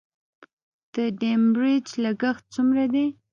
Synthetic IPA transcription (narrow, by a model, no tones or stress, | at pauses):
d̪̥əɖembɾɪd͡ʒlaɡəxt̪̚t͡sumɾad̪e